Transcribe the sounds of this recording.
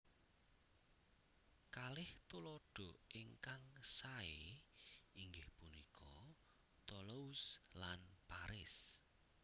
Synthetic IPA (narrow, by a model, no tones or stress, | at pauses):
kalɪht̪ulɔɖ̥ɔ̤ʔɪŋkaŋsae | iŋɡɪhpunikʰɔ | t̪ɔlouslanpaɾɪs